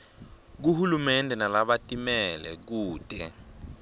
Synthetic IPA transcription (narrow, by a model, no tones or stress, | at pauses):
k̬uhulumɛndʱɛnalaɓatʼimɛlɛ̰k̬uːtʼɛ